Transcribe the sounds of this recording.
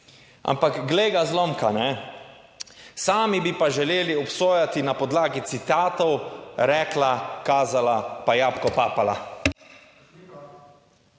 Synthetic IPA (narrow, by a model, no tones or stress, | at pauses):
a̰mpakɡleːɡazlomkanɛ | saːmibipaʒɛleːliɔpsoːjat̪inapɔd̪laːɡit̪sit̪aːt̪ɔwɾɛːklakaːzalapajaːpkɔpaːpala